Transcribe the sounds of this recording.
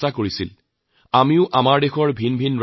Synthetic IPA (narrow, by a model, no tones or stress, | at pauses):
takoɹisil | amiʊʔamaɹdexɔɹbʱinbʱinɹ